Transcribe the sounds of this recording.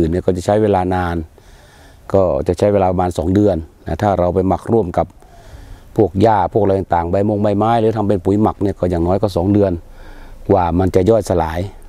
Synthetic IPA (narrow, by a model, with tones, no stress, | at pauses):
ɯː˨˩nːi˧˩˨kɔː˧˩t͡ɕa˨˩t͡ɕʰa˦˥jweː˧laː˧naː˧n | kɔː˧˩t͡ɕa˧˩ʔt͡ɕʰa˦˥jweː˧laː˧pa˧maː˧nsɔː˨˦ŋdɯ˧ənːa˧˩t̪ʰaː˧˩ɾa˧wpa˧˨jma˧˩k̚ɾu˧˩əmka˧˦p̚ʰː | u˥˩ək̚jaː˧˩pʰu˥˩kla˧jt̪ːt̪aː˨˩ŋba˧˩jmo˧˨ŋma˧˩jmaː˧˥˨jlɯː˨˦t̪ʰa˧mpe˧˨npu˨˩˦jma˨˩k̚niː˧˩˨kɔː˧˩jaː˨˩ŋnɔː˧˥jkɔ˧˩sɔː˩˦ŋdɯ˧ən | waː˧˩ma˧nt͡ɕa˧˩jɔː˧˩jsa˧laː˨˦j